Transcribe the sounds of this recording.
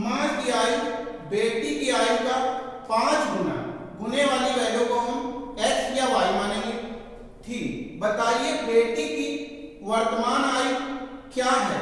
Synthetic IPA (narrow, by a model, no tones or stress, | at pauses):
mãːkiaːi | beːʈikiaːikapãːt͡ʃɡʊna̰ːɡʊneʋaːliɾɐjoːɡoɦʊmɛːsjaʋaːimãnə̃ | t̪ʰiːbət̪aːiebeːʈiki | ʋɐɾt̪əmaːnaːikjaːɦɛː